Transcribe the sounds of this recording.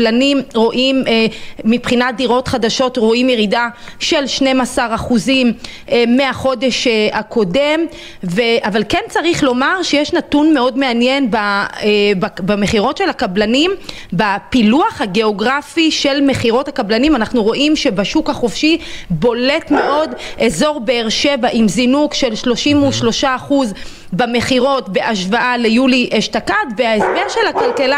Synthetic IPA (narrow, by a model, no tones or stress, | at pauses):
lanimʁo̞ʔimː | ipχinad̪iʁo̞tχadaʃo̞tʁoimjeʁidaʃe̞lʃne̞masaʁaχuzimeːeaχo̞de̞ʃakʰo̞de̞m | ve̞avalkent͡saʁiχlo̞maʁʃejeʃnatunme̞o̞dme̞anjenba | babameχiʁo̞tʃe̞lhakablanimbapiluaχhaɡe̞o̞ɡʁafiʃe̞lme̞χiʁo̞thakablanimanaχnuʁo̞ʔimʃe̞baʃukaχofʃibo̞le̞tme̞ʔo̞dʔezo̞ʁbe̞eʁʃe̞vaʔimzinukʃe̞lʃlo̞ʃimuʃlo̞ʃaːχuz | bame̞χiʁo̞tbe̞ʔaʃvaʔalejuliʔeʃtakatveaesbe̞ʁʃe̞lakalkela